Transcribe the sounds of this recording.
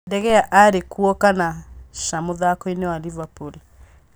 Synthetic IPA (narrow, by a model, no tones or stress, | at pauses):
dɛɣɛaʔaɾekuɔkanaʃamoðakoinewalivapul